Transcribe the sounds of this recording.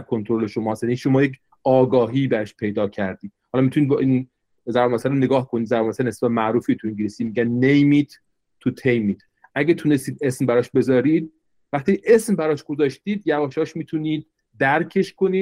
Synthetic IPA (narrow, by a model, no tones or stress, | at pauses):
ɾkʰo̞nt̪ʰoɾole̞ʃomɒːsæniʃomɒːjecʰ | ɒːɡɒːɦiːbæɾɔʃpʰe̞jd̪ɒːcʰæɾd̪iːd̪̚hɒːlɒːmit̪unid̪bʔin | zæɾbomæsæɾone̞ɡɒːhkʰo̞nid̪zæɾbomæsæɾnesb̥æt̪mæʔɾuːfit̪ʰuĩɲɟilisiːmiɟænːejmiːt̪ | t̪ʰːut̪ʰejmiːt̪ʰ | ʔæɟæt̪ʰune̞st̪iːd̪e̞smbæɾɒːʃbe̞zɒːɾiːd̪̚ | væχt̪iːʔe̞smbæɾɒːʃɡ̥o̞zɒːʃt̪iːd̪jævɒːʃɒːʃmiːt̪ʰuniːd̪̚ː | æɾcʰe̞ʃko̞niːd̪̥